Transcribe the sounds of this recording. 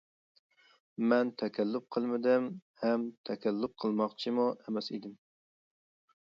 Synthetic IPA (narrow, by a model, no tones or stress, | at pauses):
mɛnt̪ʰɛkʲʰɛlːʊp̚qʰəlˠmɪd̪ɪmhɛmt̪ʰɛkʲɛlːʊp̚qʰəlˠmɑχt͡ʃʰimuemɛsid̪ɪm